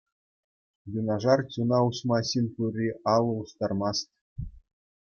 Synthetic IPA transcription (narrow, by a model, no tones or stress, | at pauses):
junɑʐɑrt͡ɕʲunɑusmɑɕinʲpurʲiʔɑlˠːɤ̆ust̪ɑrmɑst̪ʲ